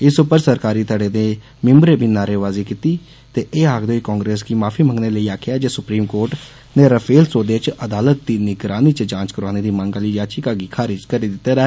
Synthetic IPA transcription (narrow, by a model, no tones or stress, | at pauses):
ɪsʊpəɾsəɾkaːɾiːt̪aːɖeːd̪eː | mɪmbɾeːbʱiːnaːɾeːʋaːziːkiːt̪iː | t̪eːʔeːaːɡd̪oːikɔ̃ːŋɡɾeːsɡiːmaːpʰiːməŋɡneːləiːaːkʰɪjaːd͡ʒeːsʊpɾiːmkoːɾʈ | neːɾəpʰeːlsoːd̪eːt͡ʃəd̪aːlət̪̚d̪iːnɪɡɾaːniːt͡ʃd͡ʒãːt͡ʃkəɾaːneːd̪iːməŋɡaliːd͡ʒaːt͡ʃikaːɡiːkʰaːɾɪd͡ʒkəɾiːd̪ɪt̪ːeːɾaɛː